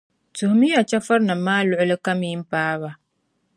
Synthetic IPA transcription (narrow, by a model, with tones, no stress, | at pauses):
tʊ˨hʊ˨mi˦a˨t͡ʃɛ˦fa˦ɾna˨maː˦lʊ˦˨ʔʊ˦lɨ˦ka˦mi˦m̩˦paː˦βa˨